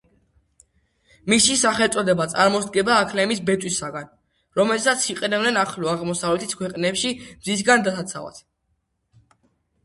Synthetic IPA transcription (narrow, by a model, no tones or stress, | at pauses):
misisaχɛlt̪sʼɔd̪ɛbat̪sʼaɾmɔsd̪̚ɡɛbaːkʰlɛmisbɛt̪ʼwisaɡan | ɾɔmɛlsat̪sʰiqʼɛnɛbnɛnaχlɔaʁmɔsavlɛt̪ʰi̥skʰwɛqʼnɛpʃimzis̬ɡand̪asat̪sʰa̰va̰t̪ʰ